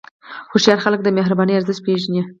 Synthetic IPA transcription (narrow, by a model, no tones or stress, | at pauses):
xoʃjɑɾxalək̚d̪əmeɦɾabɑnəjaɾzəspeʒnʲe